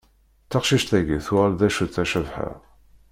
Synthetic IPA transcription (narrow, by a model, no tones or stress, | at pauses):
θəqʃiʃt̪æʝiθʊʁlðæʃuθæʃəvħæ̰